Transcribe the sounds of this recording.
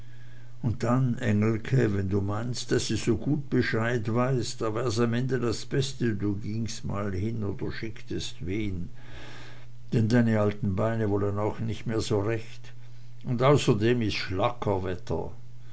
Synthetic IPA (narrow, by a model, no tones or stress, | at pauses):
ʊnt̚d̥anʔɛŋl̩kʰəvɛnduːmaɪnst̚d̥asd̥uz̥oːɡuːt̚b̥əʃaɪtv̥aɪsd̥aːvɛːʁs̬amɛndədasb̥ɛstəduːɡɪŋstma̰ːlhɪnoːd̥əʃɪktəstveːn | d̥ɛndaɪnəaltn̩baɪnəvɔlənaʊxnɪçtmeːɐzoːʁɛçt | ʊndaʊsɐdeːmɪstʃlakʰɐvɛtʰɐ̰